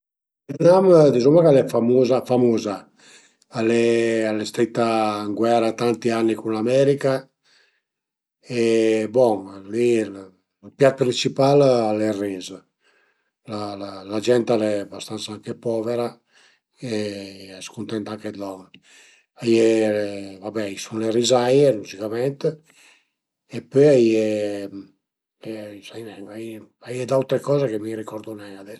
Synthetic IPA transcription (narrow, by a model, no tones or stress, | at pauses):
ɛd̪namd̪izumakalɛfamuzafamuːza | alɛalɛst̪ɾit̪ːaŋɡwɛɾat̪ant̪ianːikunlamɛɾika | ebɔŋlil | lpjat̪̚pɾint͡ʃipalalɛrːiz | lalalad͡ʒɛnt̪alɛabast̪ansaaŋkepɔveɾa | eɛskunt̪ɛnt̪aŋked̪ɔn | aje | vabɛisunlerizajemuzikamɛnt̪e | epøaje | sanɛaj | ajed̪awt̪ɾekɔːzekemirikɔɾd̪onɛŋad̪ɛ